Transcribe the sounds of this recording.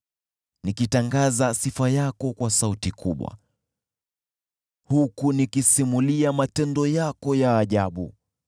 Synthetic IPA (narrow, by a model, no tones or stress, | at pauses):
nikitaŋɡazasifajakɔkwasautikʰuɓwa̰ | hukunikisimuliamatɛndɔjakɔjaːʄaɓṵ